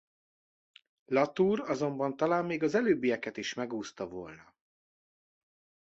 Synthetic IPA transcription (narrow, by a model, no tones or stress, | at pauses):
lɒt̪uːɾɒzo̞mbɒnt̪ɒlaːmːeːɡɒzɛløːbːijɛkɛt̪iʃmɛɡuːst̪ɒvo̰lnɒ